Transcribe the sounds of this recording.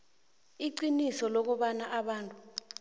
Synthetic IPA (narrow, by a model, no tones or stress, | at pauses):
iǀinisɔlok̬uɓanaʔaɓaːntʼu